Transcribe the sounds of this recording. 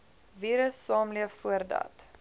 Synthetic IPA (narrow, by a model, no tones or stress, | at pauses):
viːɾəsːɑːmliəffuərdɐ̰t